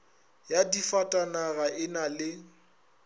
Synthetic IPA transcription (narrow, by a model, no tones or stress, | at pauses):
jadifatʼanaɣaʔɪnalɪ